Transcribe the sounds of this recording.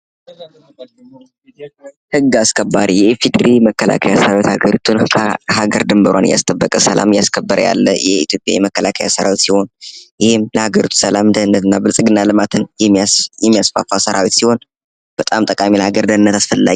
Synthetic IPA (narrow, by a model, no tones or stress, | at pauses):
hɨɡːaskʰəbːaɾijɛfid̪ɨɾiməkːəla̰kʰajasəɾawit̪haɡəɾit̪ʰunkʰəhaɡəɾd̪ɨmbəɾwa̰nɨja̰st̪ʼəbːəkʼəsəla̰mjaskʰəbːəɾəja̰lːəjɛit̪ʰjo̞pʼja̰jɛməkːəlakʰəja̰səɾawit̪siho̞njɪhɪmləhaɡəɾit̪ʰu̥səlamd̪əhɨnːət̪ɨnːabɨlsʼɨɡɨnːalɨmat̪ʰɨnjɛjɛmːijasfafasəɾawit̪siho̞n | b̥ət̪ʼamt̪ʼəkʼamilhaɡəɾd̪ənɨnːət̪ʰasfəlːa̰ɡ